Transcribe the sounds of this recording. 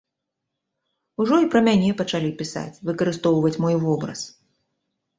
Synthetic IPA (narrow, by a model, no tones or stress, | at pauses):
uʐɔipɾɐmʲanʲɛpɐt͡ʂalʲipʲisa̰t͡sʲvɨkɐɾɨst̪ɔwvɐt͡sʲmɔjvɔbɾɐ̰s